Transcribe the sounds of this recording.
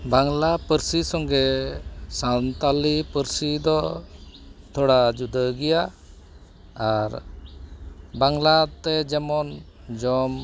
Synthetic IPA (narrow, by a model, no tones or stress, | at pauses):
baŋlapəɾsisɔŋɡɛsant̪alipəɾsid̪ɔ | t̪ʰɔɽad͡ʒud̪əɡɛja | ɾ | baŋlat̪ɛd͡ʒɛmɔn | d͡ʒɔm